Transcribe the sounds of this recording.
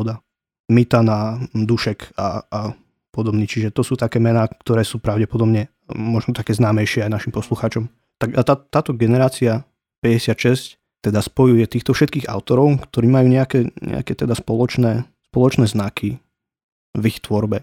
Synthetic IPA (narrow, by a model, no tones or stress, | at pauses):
ɔd̪a | mit̪anad̪uʃɛkaa | pɔd̪ɔbniːt͡ʃiʒɛt̪ɔsuːt̪akɛːmɛnaːkt̪ɔɾɛːsuːpɾaʊɟɛpɔd̪ɔbɲɛ | mɔʒnɔt̪akɛːznaːmɛjʃɪɛajnaʃimpɔsluxaːt͡ʃɔm | t̪aɡat̪at̪ːaːt̪ɔɡɛnɛɾaːt͡sia | pɛɟɛsɪat̪ʃɛsc | t̪ɛd̪aspɔjujɛt̪iːxt̪ɔfʃɛt̪kiːɣa̰ʊt̪ɔɾɔʊkt̪ɔɾiːmajuːɲɛakɛɲɛ̰a̰kɛt̪ɛd̪aspɔlɔt͡ʃnɛː | spɔlɔt͡ʃnɛːznakʰi | vixt̪ʋɔɾbɛ